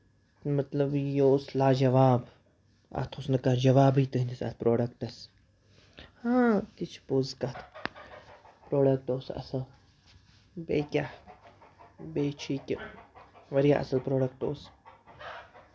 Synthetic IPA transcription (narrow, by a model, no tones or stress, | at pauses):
mɐt̪lɐbjoslaːd͡ʒɐʋaːb | ɐ̰t̪ʰosnɨkɐd͡ʒɐʋaːbit̪uind̪isɐ̰t̪ʰpɾoːɖɐkʈɐs | hãːt̪it͡ʃʰpozkɐt̪ʰ | pɾoːɖɐk̚ʈoːsɐ̰sɐl | bekʲah | bet͡ʃʰiːkʲ | ʋɐɾija̰ʔɐ̰sɐlpɾoːɖɐk̚ʈoːs